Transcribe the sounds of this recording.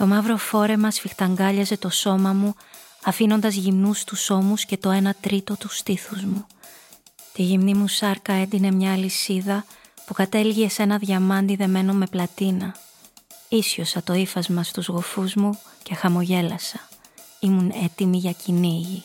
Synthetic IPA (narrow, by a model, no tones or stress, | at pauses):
t̪o̞mɐvɾo̞fo̞ɾe̞mɐsfixt̪ɐŋɡɐʎɐze̞t̪o̞so̞mɐmu | ɐfino̞nd̪ɐzʝimnust̪uso̞musce̞t̪o̞e̞nɐt̪ɾit̪o̞t̪ust̪iθuzmu | t̪iʝimnimusɐɾkɐe̞nd̪ine̞mɲɐːlisiðɐ | pukɐt̪e̞lʝiese̞nɐðʝɐmɐnd̪iðe̞me̞no̞me̞plɐt̪inɐ | isço̞sɐt̪o̞ifɐzmɐst̪uzɣo̞fuzmuce̞xɐmo̞ʝe̞lɐsɐ̥ | imune̞t̪imiʝɐcʰiniʝi